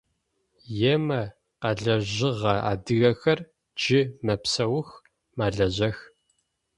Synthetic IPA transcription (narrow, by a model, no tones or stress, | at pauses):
jɛmɐ | qɐɮɐʑɪʁɐa̰ːdɨɣɐxɐr | d͡ʒɪmɐpsɐwʊx | maːɮɐʑɐx